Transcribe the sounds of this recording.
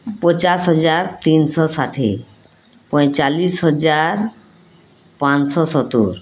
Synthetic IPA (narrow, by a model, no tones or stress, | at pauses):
pɔt͡ɕasɦɔd͡ʑaɾt̪inʃɔsaʈʰḭ | pɔjt͡ɕalisɦɔd͡ʑaɾ | pãnʃɔsɔt̪ṵɾ